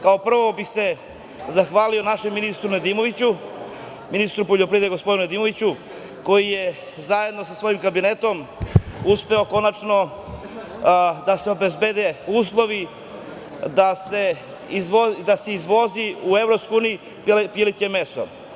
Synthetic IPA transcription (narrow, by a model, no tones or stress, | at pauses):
kao̞pr̩ʋo̞bixse̞ | zaxʋaːlio̞naʃemːinist̪ɾuned̪imo̞ʋit͡ɕu | minist̪ɾupoʎopɾiːd̪ɡospod̪inuned̪iːmo̞ʋit͡ɕu | ko̞jije̞ | zaje̞d̪no̞sasʋo̞jimkabine̞t̪o̞muspe̞o̞ko̞nat͡ʃno̞ | d̪ase̞o̞be̞zbe̞ːd̪e̞uːslˠo̞ʋi | d̪ase̞ | izod̪ase̞izʋo̞ziuevɾopskouːniji | pjilit̪eme̞so̰